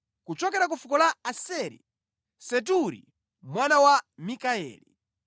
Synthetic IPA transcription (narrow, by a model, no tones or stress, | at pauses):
kut͡ʃɔkɛɾak̬ufukɔlaasɛɾḭ | sɛt̬uɾḭ | mwanawamikaɛ̰ːlḭ